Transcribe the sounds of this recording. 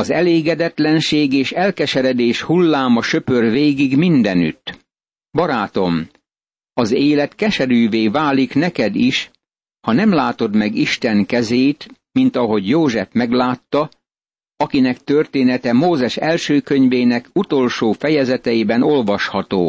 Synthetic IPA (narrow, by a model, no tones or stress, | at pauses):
ɒzɛleːɡɛd̪ɛt̪lɛnʃeːɡeːʃɛlkɛʃɛɾɛd̪eːʃhulːaːmɒʃøpørveːɡiɡmind̪ɛny̰t̪ː | bɒɾaːt̪o̞m | ɒzeːlɛt̪kɛʃɛɾyːveːvaːliknɛkɛd̪iʃ | hɒnɛmlaːt̪o̞d̪mɛɡiʃt̪ɛŋkɛzeːt̪ | mint̪ɒɦo̞ɟjoːʒɛfmɛɡlaːt̪ːɒ | ɒkinɛk̚t̪ørt̪eːnɛt̪ɛmoːzɛʃɛlʃøːkøɲveːnɛkut̪o̞lʃoːfɛjɛzɛt̪ɛibɛno̞lvɒʃhɒt̪o̰ː